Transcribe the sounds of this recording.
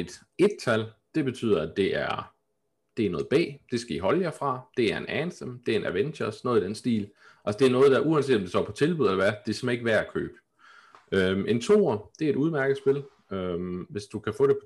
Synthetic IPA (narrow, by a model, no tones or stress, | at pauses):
e̝d̥ | e̝d̥̚t͡sʰæld̥e̝b̥e̝t͡sʰy̰ːðˠɐæd̥e̝ʔæɐ | d̥e̝æɐnɔ̽ːð̞̩ˠb̥ɛ̰ːd̥e̝sɡ̥æiɦɒ̽ljɑfʁɑ̈d̥e̝æɐenænsəmd̥e̝æɐe̝nʔæʋenɐsnɔ̽ːð̩ˠid̥ensd̥ḭːl | ʔælsəd̥e̝æɐnɔ̽ːð̞̩ˠd̥ɑʔuænse̝̰ːdɒmd̥esɒ̰ːpʰɒ̽t͡sʰe̝lb̥uðˠelɐʋæd̥e̝smæe̝ɡ̥əʋæɐækʰø̰ːb̥ə | øme̝nt͡sʰo̝̰ːɐd̥e̝e̝ɾuð̞ˠmæɐɡ̥əð̩ˠsb̥e̝l | ømʋe̝sd̥ukʰæfɔ̰̽ːɾ̥epʰ